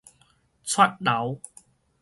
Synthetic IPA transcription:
t͡sʰwɐ˥t̚lɐ˨˥w

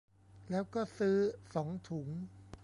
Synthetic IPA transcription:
lɛː˦˥wkɔː˥˩sɯː˦˥sɔː˩˦ŋt̪ʰu˩˦ŋ

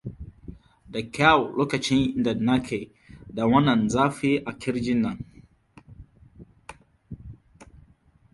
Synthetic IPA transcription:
da˨kʰa˦wlʔo˦ka˨t͡ʃẽ˦nĩ˨ndə˨na˦kʰe˨ | da˨wã˦na˨nza˦fi˦a˨kʰi˦ɾd͡ʒi˦na˨n

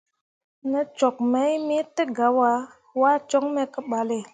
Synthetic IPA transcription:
nə˦t͡ʃo˨k̚me˨˦jmi˦tə˦ɡa˨˦wa˨˦ | wa˦t͡ʃo˦ŋme˦kə˦ɓa˨le˨

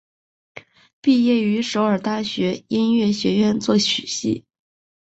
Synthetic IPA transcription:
pi˥˧jɛ˥˩y˧˥ʂo˧˥ʊə˞˨˩t̪a˥˩ɕɥɛ˧˥i˥nɥɛ˥˩ɕɥɛ˧˥ɥɛ˥˧nt͡swɔ˥˩ɕy˨˩ɕḭ˥˩

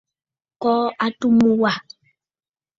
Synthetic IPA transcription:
kɔ˦a˦tu˦mu˦wa˨

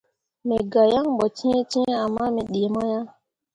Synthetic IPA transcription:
mɛ˨ɡa˨ja˦ŋbɔ˨t͡ʃĩ˦t͡ʃĩ˦a˨mːa˦mɛ˨ɗe˨mɔ˦ja˦ŋ

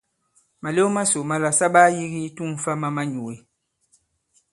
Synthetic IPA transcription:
ma˨le˦ma˦so˨ma˨la˨sa˦baː˦ji˦ɣi˦tu˦m˨fa˦ma˦ma˦ɲu˨we˨

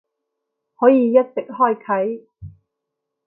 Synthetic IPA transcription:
hɔː˨˥jiː˨˧jɐ˥t̚t͡sɪ˨k̚hɔː˥˩jkʰɐ˨˥j

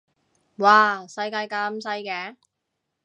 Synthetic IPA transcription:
waː˨˩sɐ˧jkaː˧jkaː˧m̩˧sɐ˧jkɛː˨˧˥

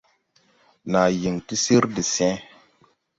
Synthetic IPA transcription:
na˨ji˨ŋti˦si˦ɾdi˨sɛ̃˦

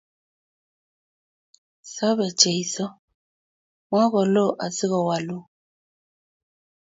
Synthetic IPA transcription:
sɔ˦βɛ˨t͡ʃɛ˨i˨sɔ˦ | ŋ˦a˦ɣɔ˨lo˦˨ʔa˨si˦ɣɔ˨wa˨lo˦

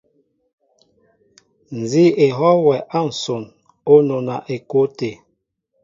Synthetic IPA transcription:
n̩˨zi˦e˨ɦɔ˦wɛ˨ʔa˦˨n̩˨so˨n | o˦no˨na˨ʔe˨ko˦te˨

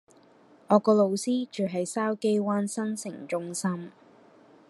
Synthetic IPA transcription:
ŋɔː˨˧kɔː˧lo˨˧wsiː˥t͡ʃyː˨˩ɦɐ˨jsaː˥wke˥jwaː˥nsɐ˥nsɪ̰˨˩ŋt͡ʃʊ˥ŋsɐ˥m

